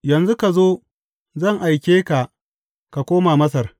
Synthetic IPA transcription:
jɐ˨nzu˦ka˨zoː˦ | zɐ˦˨ŋʔa˨jkʲeː˦ka˨ʔ | ka˨kʷoː˦maː˨mɐ˦s̬ɐ˨r

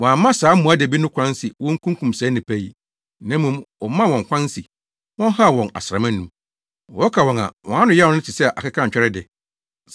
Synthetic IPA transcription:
wɔ̃˨a˨˦mːã˦saː˨˦m̩˦mũ˨a˦de˨bi˦nʊ̃˦kʷʰã˦nsɪ˨wɔ̃˦ŋ̩˦kʰũ˦ŋkʰũ˨msɛ˦nɪ̃˨pʰæ˦ji˨ | nɛ̃˦mũ˦˨mwɔ˨mã˦wɔ̃˨ŋ˨kʷʰã˦n˦si˨ | wɔ̃˦n˦ɦa˦˨wɔ̃˨na̰˨sɪ˨ɾa˨mɪ̃˦nː˦ũ˦m | ɔ˨ɔ˦kʰa˨wɔ̃˨nã̰˨wɔ̃˨˦a˦nʊ̃˦jɛ˦˨ɔ̃˨˦nʊ̃˦tʰɪ˨sɛ˦˨ʔa̰˨kɪ˦kʰã˦˨ɲ˨t͡ɕᶣɛ˦ɾɛ˦dɪ˨˦

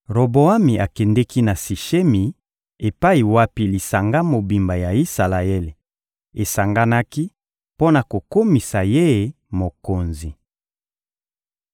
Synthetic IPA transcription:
ʁo˨bo˨a˦mi˨ʔa˨kɛ˨ndɛ˦ki˦na˨si˨ʃe˦mi˨ | e˨pa˦i˨wa˦pi˦li˨sa˨ŋɡa˦mo˨bi˨mba˨ja˨i˦sa˨la˨e˦le˨ | e˨sa˨ŋɡa˦na˦ki˦ | po˦na˨ko˨ko˦mi˨sa˨je˦˨ | mo˨ko˨nzi˨

